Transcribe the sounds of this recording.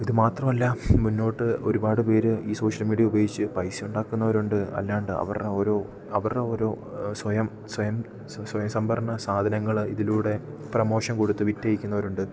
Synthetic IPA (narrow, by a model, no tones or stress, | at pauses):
iðɨmaːt̪rɐmɐlːɐmunːo̞ːʈːɨo̞̰ɾubaːɽɨpe̞ːɾɨiːso̞ːʂɐlmiːɽijɐubeːɡit͡ɕːɨpɐjsijuɳɖaːkːunːɐʋɐɾuɳɖɨɐ̰lːaːuɳɖɨɐ̰ʋɐ̰reo̞ːɾo̞ː | ɐʋɐreo̞ːɾo̞ː | swɐjɐm | swɐjɐm | swɐjɐmsɐmbʱɐrɐɳɐsaːd̪ʱɐnɐŋːɐɭiðiluːɽe̞ | prɐmo̞ːʂɐnkoɽut̪ːɨʋitːejikʲːunːɐʋɐɾuɳɖɨ